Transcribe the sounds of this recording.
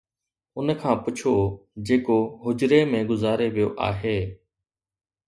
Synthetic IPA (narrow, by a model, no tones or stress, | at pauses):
ʊnkʰãːpʊt͡ʃʰoːd͡ʒeːkoːɦʊd͡ʒɾeːmẽːɡʊzaːɾeʋijoːʔa̰ːɦeː